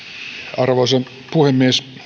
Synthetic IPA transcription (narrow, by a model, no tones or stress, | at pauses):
ɑrʋosen | puhemːies